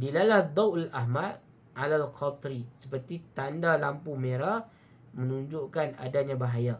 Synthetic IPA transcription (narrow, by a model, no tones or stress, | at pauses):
dilalahd̪ˤawʔalʔaɦmad̪̚ | alalqʰɔt̪ɾisəpərt̪it̪andalampumeɾah | mənuɲd͡ʒʊʔkana̰daɲãbaɦaja